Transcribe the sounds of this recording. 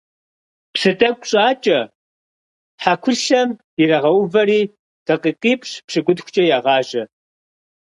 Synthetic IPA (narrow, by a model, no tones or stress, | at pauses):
psɨtʼɐkʷʼɕʼaːt͡ʃʼɐ | ħakʷʰʊʃɐm | irɐʁɐwvɐɾiː | d̥ɐqiːqiːpʼɕpʂɨɡʷʊdxʷʊ̥t͡ʃʼɐjaːʁɑːʒɐ